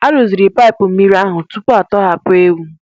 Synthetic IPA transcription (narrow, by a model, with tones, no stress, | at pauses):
a˦ɾo˨zi˨ɾi˨pa˦ɪ˨pʊ˨m̩˦mi˦ɾi˦a˦ɦʊ˨tu˦pʊ˦a˨tɔ˦ɦa˨pʊ˦e˦wu˦